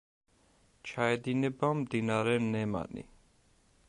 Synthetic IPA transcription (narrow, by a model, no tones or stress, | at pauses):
t͡ʃʰaɛd̪inɛbamd̪inaɾɛnɛma̰nḭ